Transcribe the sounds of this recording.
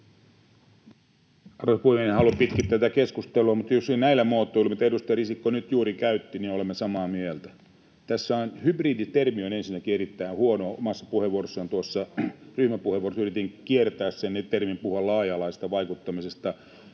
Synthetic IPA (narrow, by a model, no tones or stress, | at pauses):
ɑrospuhemenehɑlumpit̪kit̪ːæt̪ækeskust̪eluɑmut̪josnnæilːæmoːt̪ːoilemut̪edust̪ɑjrisikːonyt̪juːɾikæyt̪ːininolemːesɑmɑːmielt̪æ | t̪æsːæonhybriːdit̪ermionensinːækieɾit̪ːæinhuonoːomɑsːɑpuheʋuorosːɑnt̪uosːɑryhmæpuheʋuorosyrit̪iŋkiert̪æːssenet̪ermimpuhuɑllɑːjɑlɑisest̪ɑʋɑikut̪ːɑmisest̪ɑ